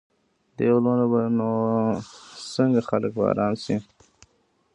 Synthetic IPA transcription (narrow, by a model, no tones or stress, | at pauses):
d̪elonabano | səŋɡaxaləkbɑ̰ɾɑːnsi